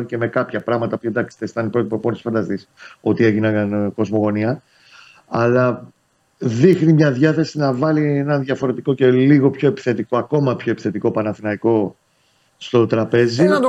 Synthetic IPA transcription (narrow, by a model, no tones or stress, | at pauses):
ce̞me̞kɐpçɐpɾɐɣmɐt̪ɐpend̪ɐkst̪est̪ɐnipɾo̞t̪ipoponsfɐnd̪ɐst̪iso̞t̪ieʝinɐɣɐnko̞zmo̞ɣo̞niɐ | ɐlɐ | ðixnimɲɐðʝɐθe̞sinɐvɐlienɐnðjɐfo̞ɾe̞t̪iko̞ce̞liɣo̞pço̞epi̥θe̞t̪iko̞ɐko̞mɐpço̞e̞pi̥θe̞t̪iko̞pɐnɐθinɐiko̞ | st̪o̞t̪ɾɐpe̞ziɐ